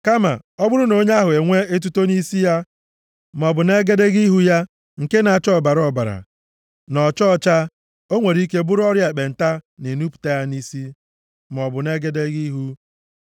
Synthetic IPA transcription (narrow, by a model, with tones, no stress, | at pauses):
ka˦ma̰˨ɔ˦bʊ˦ɾʊ˦no˨˦ɲa˦ɦʊ˨e˨ŋʷe˦e˦t̬u˦to˦ni˦si˦ja˦ | m˨ɔ˨bʊ˨ne˦ɡe˦de˦ɡi˦ɦu˦ja˦ | ŋ̩˨ke˦na˨a˨t͡ʃɔ˦˨ba˨ɾɔ˦˨ba˨ɾa̰˨ | nɔ˨t͡ʃɔ˦˨t͡ʃa˦ | o˦ŋʷe˨ɾi˦k̬e˦bʊ˦ɾɔ˦ɾja˨e˨k͡pe˨n̩˨ta˦ne˨nu˦pu̥˨ta˦ja˦ni˦si˦ | m˨ɔ˨bʊ˨ne˦ɡe˦de˦ɡi˦ɦu˦